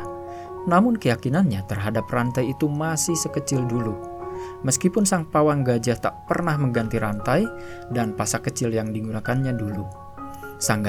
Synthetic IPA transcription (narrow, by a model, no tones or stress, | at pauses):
namʊnkəjakinanɲat̪ərɦadap̚rant̪ajit̪umasɪhsəkət͡ʃɪldulu | məskipʊnsaŋpawaŋɡad͡ʒaht̪aʔpərnahməɡant̪iɾant̪aj | danpasakət͡ʃɪljaŋdiŋunakanɲadulu | saŋɡ